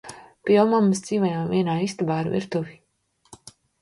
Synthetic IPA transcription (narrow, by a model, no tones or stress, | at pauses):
piɛwmamɨsd̪z̥iːvajamviɛnaːist̪abaːɾvḭɾt̪uvi